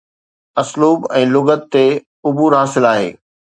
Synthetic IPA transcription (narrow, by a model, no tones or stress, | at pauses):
ɐsluːbɛ̃ːlʊɡət̪̚t̪e | ʊbuːɾɦaːsɪlaːɦḛː